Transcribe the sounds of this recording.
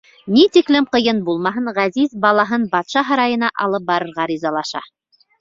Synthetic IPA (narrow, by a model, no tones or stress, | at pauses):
nit̪iklɘmqɤ̆jɤnbulˠmɑɦɤɴʁæzizbɑlˠɑɦɤnbɑt̪ʃɑɦɤ̆ɾɑjɤ̆nɑʔɑlˠɤp̚bɑɾɤ̆ɾʁɑɾizɑlˠɑʃɑ̰